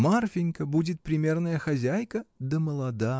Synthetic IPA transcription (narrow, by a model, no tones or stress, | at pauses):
marfʲɪnʲkəbudʲɪt̪̚pɾʲɪmʲe̞rnəjəxɐzʲæjkəd̪əməlˠɐd̪a